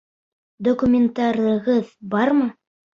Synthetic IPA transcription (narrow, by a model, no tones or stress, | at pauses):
d̪okumʲent̪aɾɤ̆ʁɤðbɑɾmɤ